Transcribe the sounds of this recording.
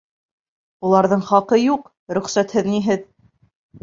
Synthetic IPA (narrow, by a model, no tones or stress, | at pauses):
ulˠɑɾðɤɴχɑqɤjuq | ɾɵ̆χsæt̪hɘðniɦɘð